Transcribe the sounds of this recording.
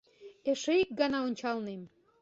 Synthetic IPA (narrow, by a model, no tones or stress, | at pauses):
eʃəik̚ɡɑnɑonʲt͡ɕɑlnem